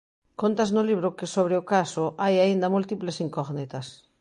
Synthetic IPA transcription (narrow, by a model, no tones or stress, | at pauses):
kont̪aznʊliβ̞ɾʊkesoβ̞ɾeokasoʔajaind̪amult̪iplesiŋkoɣnit̪ɐs